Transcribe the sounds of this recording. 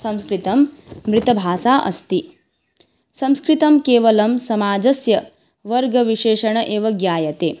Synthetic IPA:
sɐ̃mskɾit̪ɐmːɾɪt̪ɐbʱaːʃaːʔɐ̰st̪i | sɐ̃mskɾit̪ɐmkeːʋɐlɐmsɐmaːd͡ʒɐsjɐ | ʋɐɾɡɐʋiʃeːʃɐɳɐʔeːʋɐɡjaːjɐt̪eː

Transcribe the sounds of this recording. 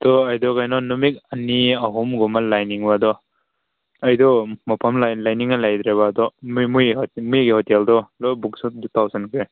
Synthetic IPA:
d̪ɔajdɔkajnɔnɔmik̚ɐniɐɦɔmɡɔmalajniŋbadɔ | ajdɔmapʰamlalajniŋalajd̪ɾebaːdɔmujmujɡihɔtɛldɔlɔbuk̚sudutʰawzankʰɾe

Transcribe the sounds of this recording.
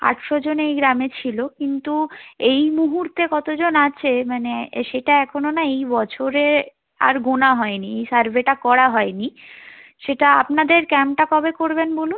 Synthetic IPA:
a̰ʈʃod͡ʑonejɡɾamet͡ɕʰilokint̪uejmuɦuɾt̪ekɔt̪od͡ʑonat͡ɕʰemaneʃeʈaɛkʰononaejbɔt͡ɕʰoɾe | a̰ɾɡonaɦɔeniejsaɾbʱeʈakɔɽaɦɔeni | ʃeʈaa̰pnad̪eɾkɛmʈakɔbekoɾbenbolun

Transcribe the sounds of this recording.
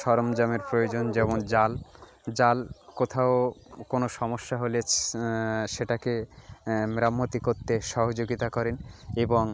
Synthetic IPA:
ʃɔɾomd͡ʑameɾpɾojod͡ʑond͡ʑɛmond͡ʑal | d͡ʑalkot̪ʰaokonoʃɔmoʃːaɦole | ʃeʈake | mɾamːot̪ikoɾt̪ːeʃɔɦod͡ʑoɡit̪akɔɾeneboŋ

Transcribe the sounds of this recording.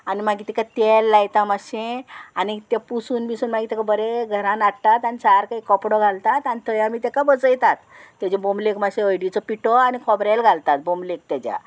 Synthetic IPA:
animaɡiːt̪ikat̪elːajt̪amaɕẽanit̪epusuːnbisuːnmaɡit̪ekabəɾeɡʱəɾãnaɽt̪at̪anit͡saɾkaikɔpɽɔɡʱalt̪at̪anit̪ʰəjãmiːt̪ekabəd͡zəjt̪at̪ː | jad͡ʑebomlekmaɕẽəjɽit͡sɔpiʈʰɔanikʰɔbɾalɡʱalt̪at̪̚bomlek̚t̪jat͡ɕja̰

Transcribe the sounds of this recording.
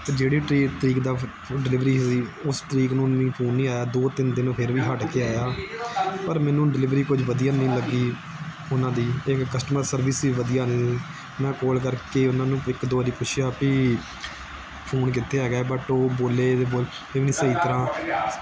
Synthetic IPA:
t̪eːd͡ʒeːɽiːʈɾiːt̪əɾiːkd̪aː | ɖɪlɪʋɾiːɦsiːʊst̪əɾiːknũːnĩːpʰuːnːĩːaːjaːd̪oːt̪ɪnd̪ɪnːpʰɪɾʋiːɦəɖkeːaːjaː | pəɾmɛːnũːɖɪlɪʋɾiːkʊd͡ʒʋəd̪ijaːnĩːləɡːiː | ʊnãːd̪iːekːəsʈməɾsəɾʋɪsiːʋəd̪ijaːnẽː | mɛ̃ːkoːlkəɾkeːʊnãːnũːɪkd̪oaːɾiːpʊt͡ʃʰʃʰɪjaːpiː | pʰuːnk̬ɪt̪ʰːeːɦɛːɡaːɛːbəʈoːboːleːd̪eːboːl | eːʋnĩːsəiːt̪əɾãː

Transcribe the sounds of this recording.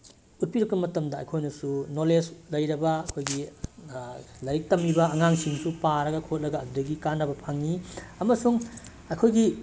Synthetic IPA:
ut̚piɾɐk̚pɐmɐtɐmdɐɐ̰jkʰojnɐsunoleslɐjɾɐbɐːkʰojɡi | lɐjik̚tɐmibɐːŋaŋsiŋsupaɾɐɡɐkʰot̚lɐɡɐːdudɐɡikanːɐbɐpʰaŋiɐmɐsuŋ | ɐjkʰojɡi

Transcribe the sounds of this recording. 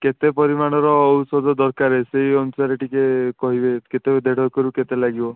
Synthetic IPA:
ket̪epɔɾimaɽ̃ɔɾɔːusɔd̪ʱɔd̪ɔɾkaɾeseɦiɔnusaɾeʈikekɔɦibeket̪ed̪ʱeɽʱɔkɔɾuket̪elaɡibɔ

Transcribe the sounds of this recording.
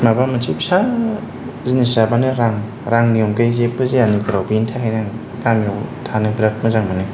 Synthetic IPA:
mabamɯnt͡ʃʰip̚sa | zinisabanɯɾaŋ | ɾaŋnijɔŋkajzepːɯzeaniɡɾawbintʰaɦajnaŋ | kamiɔwtʰanɯŋbiɾat̚mɯzaŋmanɯ

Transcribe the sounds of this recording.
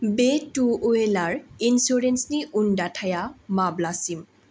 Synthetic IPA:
betuoelaɹinsuɹensniʔundatʰajamablasim

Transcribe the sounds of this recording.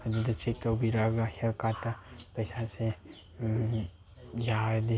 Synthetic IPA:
ɐdudɐt͡ʃek̚tawbiɾaɡahelkatːɐpɐjsase | jaɾedi

